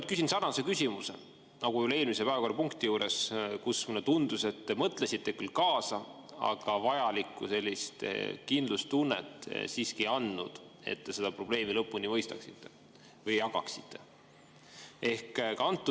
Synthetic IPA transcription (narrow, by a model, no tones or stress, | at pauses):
kysinsɑnːɑse̞kysʲimuse̞̰ | nɑɡujule̞ːlmisepæːvɑko̞rːɑpuŋkt̪ijuːɾe̞skusːmunet̪und̪̥use̞t̪ːemɤt̪ˑlesit̪ːe̞kylkɑːsɑ | ɑ̰ɡ̥ɑvɑjɑlikːˑuse̞lʲːist̪kind̪lust̪unːḛt̪ːˑsiːskiɑnːud̪̥e̞̰t̪ːe̞se̞d̪̥ɑpro̞b̥le̞ːmilɤpːunimɤjst̪ɑksit̪ːe̥ | vɤjːɑkɑ̰ksi̥t̪ːe̞ | e̞hkkɑnt̪ːˑu